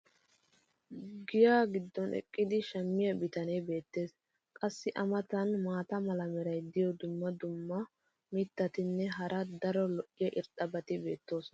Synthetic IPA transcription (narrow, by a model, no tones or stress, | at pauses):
ɡɪjaːɡɪd̪ːɔnʔɛ̰kʼːɪd̪ɪʃɐmːɪjɐbɪt̪ɐnebe̞ːt̪ːe̞ːs | kʼɐsːɪʔɐmɐt̪ɐnmaːt̪ɐmɐlɐmɛɾɐjd̪ɪjɔd̪ʊmːɐd̪ʊmːɐ | mɪt̪ːɐt̪ɪnːɛɦɐɾʔɐd̪ɐɾɔlɔʔɪjɛʔɪɾt̪ʼːɐbɐt̪ɪbe̞ːt̪ːo̞ːsɔn